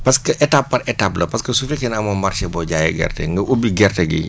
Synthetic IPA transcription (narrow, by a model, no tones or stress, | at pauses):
pɐskəʔɛtapːɐɾɛtaplɐpɐskɐsufɛkɛnɐmɐmɐrt͡ʃɛbɔɟajɐ̰ɡɛ̰rtɛ̰ŋɡəʔubiɡɛrtɛɡḭ